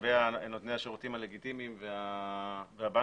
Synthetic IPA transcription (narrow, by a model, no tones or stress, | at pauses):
vejanot̪nehaʃoʁut̪imale̞ɡit̪imimvea | veaba